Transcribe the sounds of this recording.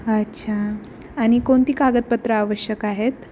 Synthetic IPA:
ətːɕʰa | aɽ̃ikoɳt̪iːkaɡət̪̚pət̪ɾəaʋəɕjəkaɦet̪

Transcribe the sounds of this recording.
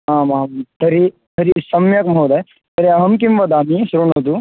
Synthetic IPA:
ɦãmaɦmt̪ɐɾi | t̪ɐɾisɐmjɐkmɦod̪aj | t̪ɐɾiɐɦɐmk̬imʋɐd̪amisɾonɐt̪̬u

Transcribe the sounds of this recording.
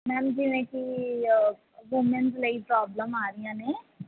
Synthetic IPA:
mɛ̃ːmd͡ʒiʋẽːki | ɡumẽnzləipɾɔːbləmaːɾijãːneː

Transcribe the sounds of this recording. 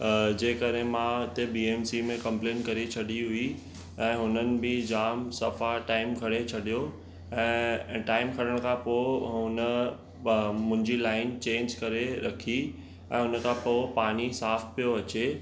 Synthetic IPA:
d͡ʑeːkəɗɦẽmãʊt̪ebiːeːmsimẽkɐ̃mplẽːnkɐɾit͡ɕʰɐɗiɦʊi | ɛ̃ːɦʊnənɪ̆bɪd͡ʑaːmsɐfaʈaːɪmkʰɐɽet͡ɕʰɐɗijo | ɛ̃ːʈaːɪmkʰɐɾəɽ̃kʰãpoɦʊnə | mʊ̃ɦɪ̃ɲd͡ʑilaːɪnt͡ɕẽːnd͡ʑkɐɾeɾɐkʰi | ɛ̃ːɦʊnə̆kʰãpopaːɽ̃isaːfpijoɐt͡ɕe

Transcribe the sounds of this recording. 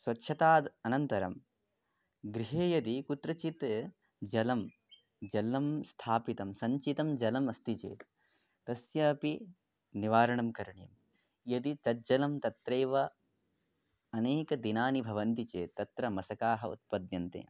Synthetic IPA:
sʋɐtːʃʰɐt̪aːd̪ɐnɐnt̪ɐɾɐ̰m | ɡɾiɦeːjɐd̪ikut̪ɾɐt͡ʃit̪ | d͡ʒɐlɐm | d͡ʒɐlɐmst̪ʰaːpit̪ɐmsɐɲt͡ʃit̪ɐmd͡ʒɐlɐmɐst̪it͡ʃḛːt̪ | t̪ɐsjɐːpi | niʋaːɾɐɳɐmkɐɾɐɳjɐm | jɐd̪it͡ʃ̪ɐd͡ʒɐlɐmt̪ɐt̪ɾeːʋɐ | ɐneːkɐd̪inaːnibʱɐʋɐnt̪it͡ʃeːt̪ːɐt̪ɾɐmɐsɐkaːɦɐṵt̪̚pɐd̪jɐnt̪ḛː

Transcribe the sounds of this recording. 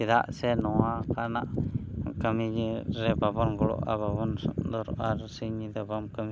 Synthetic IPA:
id̪a̰senoakanaʔkamiɲiɾebabonɡulo̰a̰babonsd̪oɾaɾsiɲid̪ebamkami

